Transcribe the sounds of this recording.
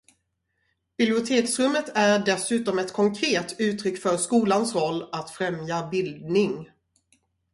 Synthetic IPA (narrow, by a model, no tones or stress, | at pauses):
b̥ɪblɪʊt̪ʰeːksɾɵmːət̪ʰæɖɛsʉ̟ːt̪ɔmɛt̪kʰɔŋkʰɾeːt̪ʉ̟ːt̪ɾʏkːfœɾʂkuːlansɾɔlːat̪fɾɛmjabɪld̪̚nɪŋ